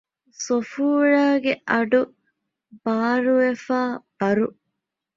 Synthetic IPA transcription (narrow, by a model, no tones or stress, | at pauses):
sofuːɻaːɡeʔɐɖu | b̥aːɾuʋefaːb̥ɐɾu